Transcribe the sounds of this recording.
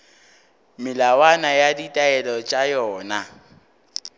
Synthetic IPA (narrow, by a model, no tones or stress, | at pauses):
mɪlawanajaditʼaɛlɔt͡ʃʼajɔːna